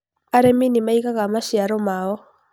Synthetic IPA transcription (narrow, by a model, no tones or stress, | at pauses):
aɾɛminimaikakamaʃjaɾɔmaɔ